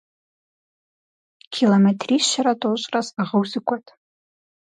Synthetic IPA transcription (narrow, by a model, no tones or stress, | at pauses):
kʲʰilometʰriʃaɾatʼoɕʷʼrazaʁəwzɨkʷʼatʼ